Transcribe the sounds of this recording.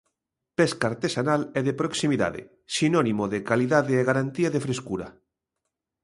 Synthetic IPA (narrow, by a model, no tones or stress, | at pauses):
pɛskaːɾt̪esanalɛðepɾoksimiða̰ðḛ | sinɔnimoðekaliðaðeːɣaɾant̪iaðefɾeskuɾɐ̰